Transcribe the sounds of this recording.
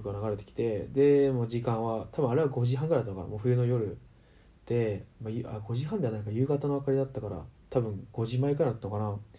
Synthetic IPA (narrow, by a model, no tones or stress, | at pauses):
kɯanaɡaɾe̞t̪e̞kʲi̥t̪e̞d̪e̞moːʑikãɰ̃βat̪ʰabɯ̟̃aɾe̞βaɡo̞ʑiɦãŋɡɯɾajdat̪ːanoka̰a̰mo̞ːɸɯ̟jɯ̟no̞jo̞ɾɯ̟ | d̪̥e̞majɯʔaɡo̞ʑiɦãnd̪eanãŋkajɯ̟ːɡat̪ano̞βakaɾʲid̪at̪ːakaɾa̰t̪ʰabɯ̟̃ŋɡo̞ʑimaikɯɾajd̪at̪ːanokana